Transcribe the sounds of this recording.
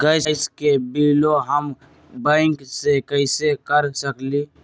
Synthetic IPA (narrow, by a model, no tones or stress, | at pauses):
ɡəsskebiːloɦəm | bãɪŋksekəɪsekəɾsəkli